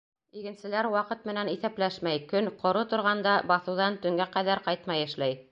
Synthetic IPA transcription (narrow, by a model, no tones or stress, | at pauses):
iɡɘ̆nsɘ̆læɾwɑqɤt̪mɘ̆næniθæplæʃmæjkɵnqʰŏɾot̪ŏɾʁɑnd̪ɑbɑθɤ̆wðɑnt̪ɵ̆ŋɡæqæðæɾqɑjt̪mɑjɘ̆ʃlæj